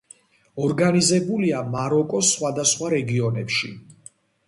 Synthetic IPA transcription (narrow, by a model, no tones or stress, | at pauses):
ɔɾɡanizɛbuliamaɾɔkʼɔsχwad̪asχwaɾɛɡiɔnɛpʃi